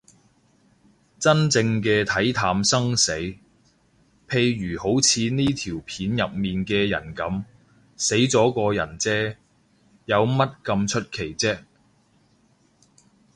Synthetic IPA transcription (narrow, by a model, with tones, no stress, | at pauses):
t͡sɐ˥nt͡sɪ˧ŋkɛː˧t̪ʰɐ˨˥jt̪ʰaː˧msɐ˥ŋse˨˥j | pʰe˧jɥyː˨˩ho˨˥wt͡sʰiː˨˧niː˥t̪ʰiː˨˩wpʰiː˨˥njɐ˨p̚miː˨nkɛː˧jɐ̰˨˩nkɐ˨˧˥m | se˨˥jt͡sɔː˨˥kɔː˧jɐ˨˩nt͡sɛː˥ | jɐ˨˧wmɐ˥t̚kɐ˧mt͡ʃʰɵ˥t̚kʰe˨˩jt͡sɛː˥